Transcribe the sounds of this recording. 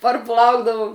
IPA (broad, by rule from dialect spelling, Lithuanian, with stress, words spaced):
pɐrˈplˠɐʊɡdɐʋʊm